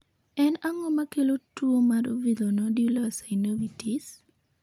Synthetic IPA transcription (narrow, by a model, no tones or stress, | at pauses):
ɛnaŋɔmakelotwomaɾovid̪onɔdulasaɪnowitis